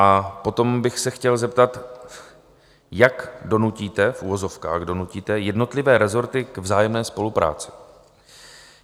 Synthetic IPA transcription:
ʔapo̞t̪o̞mbɪxsɛxcɛlzɛp̚t̪at̪ | jakdo̞nuciːt̪ɛfʔuvozo̞fka̰ːɣdo̞nuciːt̪ɛjɛdno̞t̪lɪvɛːɾɛzo̞ɾt̪ɪkɛvzaːjɛmnɛːspo̞lupɾa̰ːt͡sɪ̥

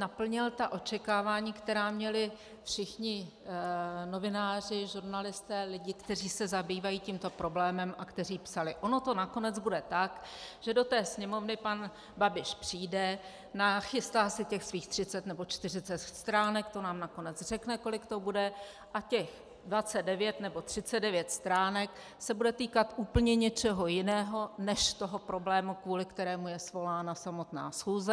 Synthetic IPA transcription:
napl̩ɲɪlt̪aʔo̞t͡ʃɛkaːvaːɲiːkt̪ɛɾaːmɲɛlɪ | fʃɪxɲɪ | no̞vɪnaːr̝ɪʒuɾnalɪst̪ɛːlɪɟɪkt̪ɛriːsɛzabiːvajiːcimt̪o̞pɾo̞blɛːmɛmʔakt̪ɛr̝iːpsalɪʔo̞no̞t̪o̞nako̞nɛd͡zbudɛt̪akʒ̥ɛdo̞t̪ɛːsɲɛmo̞vnɪpan | babɪʃpr̝̥iːdɛ | naxɪst̪aːsɪcɛxsviːxt̪r̝̥ɪt͡sɛt̪nɛbo̞t͡ʃt̪ɪrɪt͡sɛt̪st̪ɾaːnɛkt̪o̞naːmnako̞nɛd͡zr̝ɛknɛko̞lɪkt̪o̞budɛ | ʔacɛx | dvat͡sɛd̪dɛvjɛt̪nɛbo̞t̪r̝̥ɪt͡sɛddɛvjɛt̪st̪ɾaːnɛk | sɛbudɛt̪iːkat̪ʔuːpl̩ɲɛɲɛt͡ʃɛɦo̞jɪnɛːɦo̞nɛʃt̪o̞ɦo̞pɾo̞blɛːmukvuːlɪkt̪ɛɾɛːmujɛsvo̞laːnasamo̞t̪na̰ːsxuːzɛ

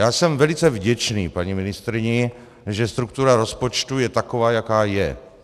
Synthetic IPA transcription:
jaːsɛmvɛlɪt͡sɛvɟɛt͡ʃniːpaɲimɪnɪst̪ɾɪɲɪ | ʒɛst̪ɾuk̚t̪uɾaɾo̞spo̞t͡ʃt̪ujɛt̪akovaːjakaːjɛ

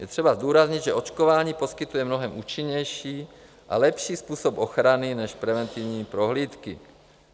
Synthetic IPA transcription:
jʔɛt̪r̝̥ɛbazd̪uːɾazɲid̪ʒɛʔot͡ʃkovaːɲiːpo̞skit̪ujɛmnoɦɛmuːt͡ʃiɲɛjʃiː | ʔa̰lɛpʃiːspuːsopoxɾaninɛʃpɾɛvɛnt̪ivɲiːpɾoɦliːt̪kḭ

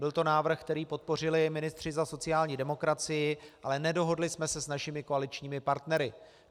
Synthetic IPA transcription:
bɪlt̪o̞naːvr̩xk̚t̪ɛɾiːpo̞t̪̚po̞r̝ɪlɪjɛjmɪnɪst̪r̝̥ɪzaso̞t͡sɪjaːlɲiːdɛmo̞kɾat͡sɪjɪʔalɛnɛdo̞ɦo̞dlɪsmɛsɛsnaʃɪmɪko̞alɪt͡ʃɲiːmɪpaɾt̪nɛɾɪ

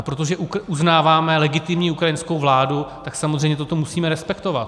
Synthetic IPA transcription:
apɾo̞t̪o̞ʒɛʔukuznaːvaːmɛlɛɡɪt̪ɪmɲiːukɾajɪnskowvlaːdut̪aksamozreɛjmɲɛt̪ot̪o̞musiːmɛɾɛspɛkt̪o̞vat̪

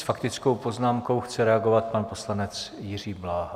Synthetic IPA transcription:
sfakt̪ɪt͡skowpo̞znaːmkowxt͡sɛɾɛaɡo̞vat̪̚panpo̞slanɛt͡sjɪr̝iːblaːɦa

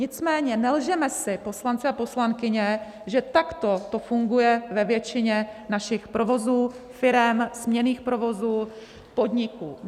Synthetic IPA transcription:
ɲɪt͡smɛːɲɛnɛlʒɛmɛsɪpo̞slant͡sɪapo̞slaŋkɪɲɛ | ʒɛt̪akt̪o̞t̪ofuŋɡujɛvɛvjɛt͡ʃɪɲɛnaʃɪxpɾovo̞zuːfɪɾɛmz̥mɲɛniːxpɾo̞vo̞zuː | po̞d̪ɲɪkuː

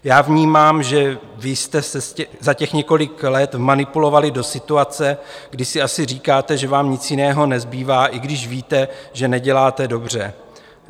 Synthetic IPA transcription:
jaːvɲiːmaːmʒɛvɪst̪ɛsɛscɛzacɛxɲɛko̞lɪklɛt̪manɪpulo̞valɪdo̞sɪt̪uat͡sɛɡdɪsɪasɪriːkaːt̪ɛʒɛvaːmɲɪt͡sjɪnɛːɦo̞nɛzbiːvaːʔɪɡdɪʃviːt̪ɛʒɛnɛɟɛlaːt̪ɛdo̞br̝ɛ

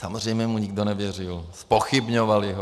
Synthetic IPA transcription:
samor̝ɛjmɲɛmuɲɪɡdonɛvjɛr̝ɪlspoxɪbɲovalɪɦo

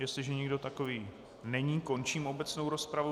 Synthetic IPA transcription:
jɛst̪lɪʒɛɲɪɡdo̞t̪ako̞viː | nɛɲiːko̞nt͡ʃiːmo̞bɛt͡sno̞wɾo̞spɾavo

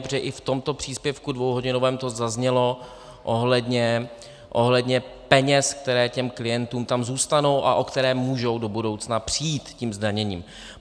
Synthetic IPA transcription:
pʒɛʔɪft̪o̞mt̪o̞pr̥iːspjɛfkudvowɦoɟɪno̞vɛːmt̪o̞zazɲɛlo̞ | ʔoɦlɛdɲɛ | ʔo̞ɦlɛdɲɛpɛɲɛsk̚t̪ɛɾɛːcɛmklɪjɛnt̪uːmt̪amzuːst̪ano̞wʔa̰ʔo̞kt̪ɛɾɛːmːuːʒo̞wdo̞budo̞wt͡snapr̝̥ijiːt̪cimzdaɲɛɲḭːm

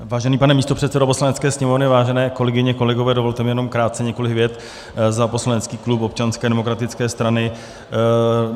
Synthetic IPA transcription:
vaːʒɛniːpanɛmiːst̪opr̥ɛt̪sɛdopo̞slanɛtt͡skɛːsɲɛmo̞vnɪvaːʒɛnɛːko̞lɛɡɪɲɛko̞lɛɡovɛːdo̞vo̞lt̪ɛmɪjɛno̞mkɾaːt̪̚t͡sɛɲɛko̞lɪkvjɛt̪ | zapo̞slanɛtt͡skiːklupop̚t͡ʃanskɛːdɛmokɾat̪ɪt͡skɛːst̪ɾanɪ

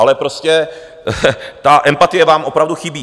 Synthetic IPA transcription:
alɛpɾo̞scɛ | t̪aʔɛmpat̪ɪjɛvaːmʔo̞pɾavduxɪbiː

